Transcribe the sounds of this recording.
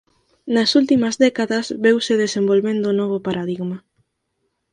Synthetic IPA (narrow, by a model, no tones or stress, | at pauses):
nɐsult̪imɐzðɛkaðɐzβewseðesembolβend̪ʊnɔβ̞opaɾaðiɣmɐ